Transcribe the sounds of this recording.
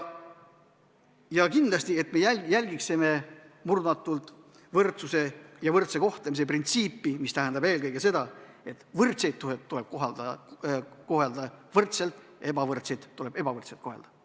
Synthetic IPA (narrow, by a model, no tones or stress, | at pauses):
jɑkind̪lɑst̪ie̞t̪me̞jæjælʲɡikseme̞murd̪ɑt̪ːˑult̪ | vɤrt̪suse̞jɑvɤrt̪se̞ko̞ht̪lemis̬e̞print̪siːpːimist̪æɦend̪ɑb̥e̞ːlkɤjɡ̥e̞se̞d̪̥ɑ | e̞t̪vɤrt̪se̞jt̪̚tːuɦet̪ːule̞b̥̚koɦɑld̪ɑ | ko̞ɦeld̪̥ɑvɤrt̪se̞lt̪ebɑvɤrt̪sejd̪̥ːule̞be̞b̥ɑvɤrt̪se̞lt̪̚ko̞ɦeld̪̥ɑ̥